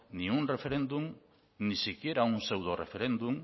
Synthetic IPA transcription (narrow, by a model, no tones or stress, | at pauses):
niunrefe̞ɾend̪um | nisikieɾaunse̞wðorefe̞ɾe̞nd̪um